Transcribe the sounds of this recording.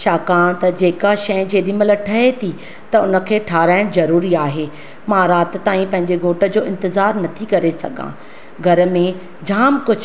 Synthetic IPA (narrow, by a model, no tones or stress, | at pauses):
ʃaːkaːɽ̃t̪ɐd͡ʑeːkaʃɐ̃d͡ʑeːɗimələʈʰɐɦet̪ʰi | t̪ɐʊnə̆kʰeːʈʰaːɾaːɪɽ̃zɐɾuːɾiaːɦeː | mãːɾaːt̪t̪ːaːĩpɐ̃ɦɪ̃ɲd͡ʑeɡʱoːʈə̆d͡ʑoːɪ̃nt̪ɪzaːɾnɐt̪ʰikɐɾesɐ̰ɡʱã̰ː | ɡʱɐɾə̆mẽ | d͡ʑaːmkʊd͡ʑʱ